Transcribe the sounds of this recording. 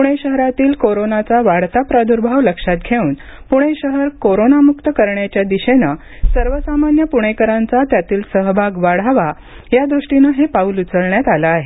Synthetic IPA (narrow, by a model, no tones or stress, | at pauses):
ppuɽ̃eɕəɦɾat̪iːlkoɾonat͡saʋaɽt̪apɾad̪ʱuɾbʱaʋləkʂat̪̚ɡʱeuːn | puɽ̃eɕəɦəɾkoɾonamukt̪əkəɾɳjat͡ɕjad̪iɕenə | səɾʋəsamanjəpuɽ̃ekəɾãnt͡sat̪jat̪iːlsəɦbʱaɡʋaɽ̤aʋa | jad̪ɾuʂʈinəɦepauːlut͡səɭɳjat̪alaːɦe